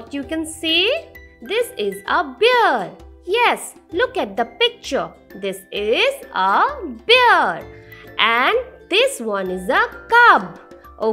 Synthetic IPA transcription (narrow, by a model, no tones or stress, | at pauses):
tjukɛ̃nsid̪ɪsɪzəbɪɾjɛslʊkæʈ̚d̪əpɪk̚t͡ʃəɾd̪ɪsɪzəbɪɾʔɛ̃nɖd̪ɪswʌ̃nɪzəkʌb | ʔo